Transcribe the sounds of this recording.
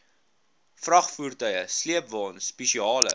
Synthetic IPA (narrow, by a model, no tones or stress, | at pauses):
frɐχfurtœjəsliəpvɑːnspɛʃiɑːlə̰